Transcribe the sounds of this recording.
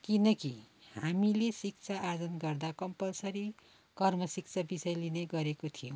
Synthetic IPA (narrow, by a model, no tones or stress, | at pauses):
kinʌki | hamilesik̚t͡sʰaːrd͡zʌnɡʌrd̪akʌmpʌlsʌɾi | kʌrmʌsik̚t͡sʰabisʌjlineɡʌɾekot̪ʰijo